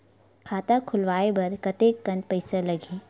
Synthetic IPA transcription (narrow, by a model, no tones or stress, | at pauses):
kʰaːt̪akʰʊlʋaːebɐɾkɐt̪eːkːɐ̃npɐɪsalɐɡʱiː